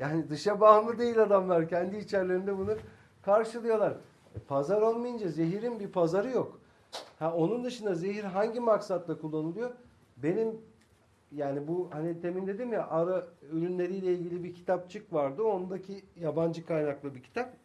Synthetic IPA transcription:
jaːnid̪ɯʃabanˠɯd̪e̞jilʲad̪amlˠaɾcʰænd̪iːt͡ʃʰæɾlʲe̞ɾind̪ɛbunu | kʰaɾʃɯlˠɯjo̞lˠaɾ̥ | pʰazaɾolˠmajɯnd͡ʒaze̞ɦiɾinbipʰazaɾɯjok | hæo̞nund̪ɯʃɯnd̪azeɦiɾɦaɲɟimaksat̪lˠakʰulˠːanulˠujo | be̞nim | jaːnibuhanit̪ʰe̞mind̪e̞d̪imjaʔaɾaøɾynlʲe̞ɾijlʲeilʲɟilʲibicʰi̥t̪ʰap̚t͡ʃʰɯkvaɾd̪ɯond̪acʰijaband͡ʒɯkʰajnaklˠɯbicʰi̥t̪ʰap̚

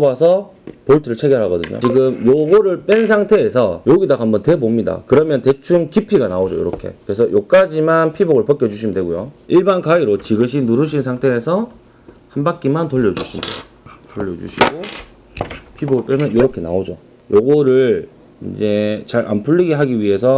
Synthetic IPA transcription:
bwasʰʌ | poɭtʰɯɾɯɭt͡ɕʰe̞ɡjeɭɦaɡʌdɯɲo̰t͡ɕiɡɯmjoɡoɾɯɭp͈ensʰaŋtʰe̞ːsʰʌjoɡidaɡɦambʌntwe̞bomɲida̰kɯɾʌmjʌnte̞t͡ɕʰuŋkipʰiɡanaod͡ʑo̰jo̰ɾʌkʰe̞̰kɯɾesʰʌjok̚k͈ad͡ʑimanpʰiboɡɯɭpʌk͈jʌd͡ʑuɕʰimidwe̞ɡujoiɭbankaiɾot͡ɕiɡɯɕ̬ʰinuɾɯɕʰinsʰaŋtʰe̞ːsʰʌ | hanbak͈imantoʎːʌd͡ʑuɕʰimdḛ | toʎːʌd͡ʑṵɕʰiɡo | pʰiboɡɯɭp͈emjʌnjoɾʌkʰe̞na̰od͡ʑo̰ | joɡoɾɯɭɭ | ḭnd͡ʑe̞t͡ɕaɾʔa̰npʰuʎːiɡiɦaɡiɥiɦe̞sʰʌ

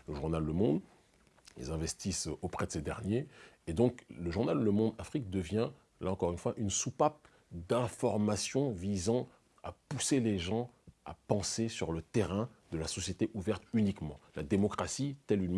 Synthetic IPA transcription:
ləʒuʁnalːəmɔ̃d̪ | ḭlzɛ̃vɛst̪isopχɛd̪əsed̪ɛʁnjeːd̪ɔ̃kləʒuʁnalːəmɔ̃d̪afχik̚d̪əvjɛ̃ | laɑ̃kɔʁynfwaʔynsupap̚ | d̪ɛ̃fɔʁmasjɔ̃vizɑ̃ | a̰puseleʒɑ̃ | a̰pɑ̃sesyʁlət̪eʁɛ̃ | d̪əlasɔsjet̪eʔuvɛʁt̪ynikmɑ̰̃lad̪emɔkχasit̪ɛlyn

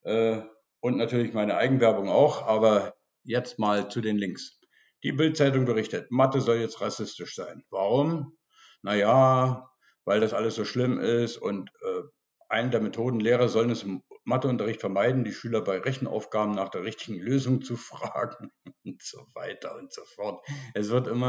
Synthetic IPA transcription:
ʔɛː | ʔʊntnatʰyːɐlɪçmaɪnəʔa̰ɪɡŋ̩n̩vɛɐbʊŋa̰ʊxʔaːbɐ | jɛt͡st̚maːlt͡sudeːnlɪŋks | d̥iːbɪlt̚t͡saɪt̬ʊŋbəʁɪçtətmatəzɔljɛt͡stʁasɪstɪʃz̥aɪnvaʁʊm | najaː | vaɪldasʔaləsz̥oːʃlɪmɪstʊ̰ntʔɛː | ʔaɪnədeːɐmetʰoːdn̩leːʁ̞ɐzɔlənɛsɪmmatəʊntɐʁɪçtfɛɐmaɪdn̩diːʃyːlɐbaɪʁɛçn̩ʔa̰ʊfɡ̥aːbm̩naːχd̥eːɐʁɪçtɪ̥ɡŋ̩løːzʊŋt͡sufʁ̥aːɡŋ̩ʊntz̥ova̰ɪtʰɐʊntz̥ofɔɐtʔɛsv̥ɪɐtʔɪmɐ

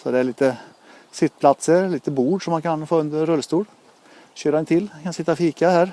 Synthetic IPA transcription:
sɔd̪ɛæɭiːt̪ə | sɪt̪̚ːpʰlɑt̪səliːt̪əbuːɖʂɔmɑnkʰɑnfoːʉnd̪əɾœlːəst̪uːɽ | ɕøːɾɛnt̪ʰɪlkʰɑnsɪt̪ːaɔfiːkɑhæːɾ

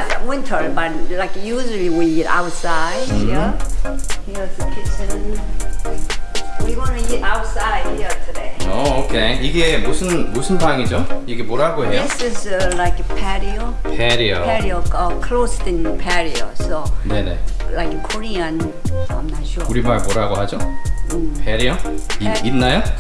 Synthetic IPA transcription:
aawɪ̃ntʰə˞bat̚laɪkjuʒuəliwiɡɛɾa̰ʊtsaɪdi | hizɨkʰɪt͡ʃɪ̃nn | wiwɑ̃nɡɛɾaʊtsaɪd̚hiətʰudeɪookʰeiɡemusʰɯnmusʰɯnbaŋid͡ʑoiɡe̞moɾaɡoɦe̞jjosʌslaɪkpʰɛɾiopʰeɾiopɛɾioʌkʰlostĩnpʰɛɹio̰sone̞ne̞lajkkʰoɹiə̃n | a̰ɪmnatʃuuɾimaɭmoɾaɡoɦad͡ʑo | pʰeɾioiinːajo

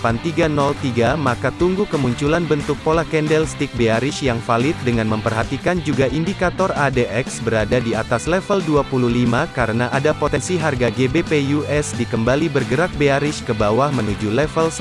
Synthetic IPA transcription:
pant̪iɡanɔlt̪iɡamakat̪uŋɡukəmuɲt͡ʃulanbənt̪ʊk̚polakɛndɛlst̪ik̚beaɾɪʃjaŋfalɪt̪̚dəŋanməmpərɦat̪ikand͡ʒuɡaʔindikat̪ɔradeʔɛksbəɾadadiat̪aslɛfəlduapuluhlimakaɾənaʔadapot̪ɛnsiɦarɡaɡebepejuɛsdikəmbalibərɡəɾak̚beaɾɪʃkəbawahmənud͡ʒulɛfəls

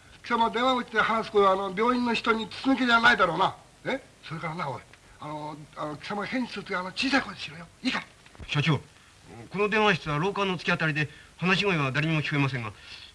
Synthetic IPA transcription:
kʲi̥samad̪ẽ̞aɡɯ̟t͡ɕi̥t̪e̞hanasɨ̥kot̪oano̞bʲo̞ːĩnːo̞çi̥t̪oɲ̟it͡sɨ̥t͡sɨnɯked͡ʑanaid̪aɾo̞ːna | e | so̞ɾe̞kaɾanaoi | anoanokʲi̥samahẽ̞ɲ̟d͡ʑi̥t͡sɨt̪oanot͡ɕiːsaikot̪oeɕiɾɯjoika | ɕat͡ɕo̞ː | ko̞no̞d̪ẽãɕ̬i̥t͡sɨβaɾo̞ːkãnːo̞t͡sɨ̥kʲat̪aɾid̪e̞hanaɕ̬iɡoiβad̪aɾʲeɲʲimo̞kʲi̥koemas̬ẽ̞ŋɡa

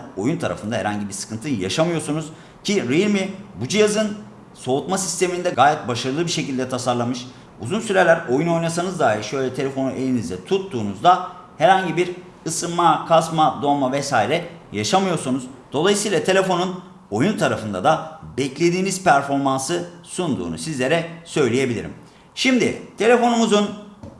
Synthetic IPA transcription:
o̞junt̪ʰaɾa̰fɯnd̪aɦɛ̰ɾaɲɟibiɾsɯ̥kʰɯnt̪ʰɯja̰ʃamɯjo̞ɾsunuz̥ | cʰiɾiɾmibud͡ʒijazɯn | so̞ut̪masi̥st̪ʰe̞mind̪ɛɡaːjɛt̪̚baʃaɾɯlˠɯbiɾʃe̞cʰilʲd̪ɛt̪ʰasaɾlˠamɯʃ | ṵzunsyɾelʲæɾo̞juno̞jnasanɯzd̪aːɦiɾʃø̞jlʲɛt̪ʰe̞lʲe̞fo̞nuʔe̞lʲinizd̪ɛt̪ʰut̪ːuːnuzd̪ahɛɾhaɲɟibiɾ | ɯsɯmakʰasmad̪o̞mavɛsaːiɾɛjaʃamɯjo̞ɾsunuzd̪̥o̞lˠajɯsɯijlˠat̪ʰe̞lʲe̞fo̞nun | o̞junt̪ʰaɾafɯnd̪a̰d̪abɛclʲe̞d̪iːniz̥pʰæɾfo̞ɾmansɯsund̪ṵːnṵsizlʲe̞ɾɛsø̞jlʲeje̞bilʲḭɾḭm | ʃimd̪ɪ̰t̪ʰe̞lʲe̞fo̞numuzun

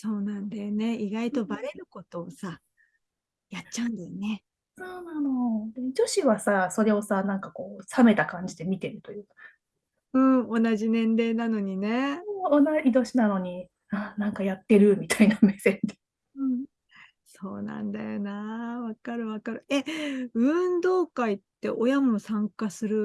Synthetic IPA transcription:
so̞ːnãnd̪ajo̞ne̞iɡait̪o̞baɾe̞ɾɯ̟ko̞t̪o̞ːsa | jat͡ɕːaɯ̟̃nd̪ajone̞ | so̞ːnanod̪ed͡ʑo̞ɕiβasaso̞ɾe̞o̞sanãŋkako̞ːsame̞t̪akãɲ̟d͡ʑid̪e̞mʲit̪e̞ɾɯ̟t̪o̞jɯ̟ːkḁ | ɯ̟̃ːo̞naʑinẽ̞nɾe̞ːnano̞ɲ̟ine̞onaid̪o̞ɕinano̞ɲ̟i | anãŋkajat̪ːe̞ɾɯ̟mʲit̪ainame̞sed̪e | ɯ̟̃ːɴ | so̞̰ːnã̰nd̪a̰jo̞̰naβakaɾɯ̟βakaɾɯ̟e̞ɯ̟̃nd̪o̞ːkait̪ːe̞̰ʔo̞jamo̞sãŋkasɨɾɯ̟

